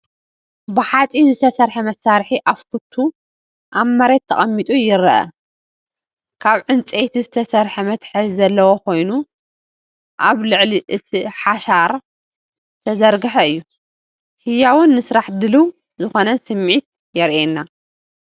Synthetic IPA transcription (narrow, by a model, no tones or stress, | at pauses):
bɨħat͡sʼinzɨt̪ʰɐsɐɾħɐmɐsːaɾħiʔafkut̪ʰːu | ʔaβmɐɾet̪ʰːɐχʼɐmːit̪ʼujɪɾɐʔɐ̰ | kʰaβʕɨnt͡sʼet̪ʰizɨt̪ʰɐsɐɾħɐmɐt̪ħɨzzɐlːɐwokʰo̞jnu | ʔaβlɨʕliʔɨt̪ʰiħaʃaɾ | t̪ʰɐzɐɾɡɨħɐɨjːu | hɨjawʊnːɨsɾaħd̪ɨlu | zɨxo̞nɐnsɨmʕit̪̚ | jɛɾʔenːa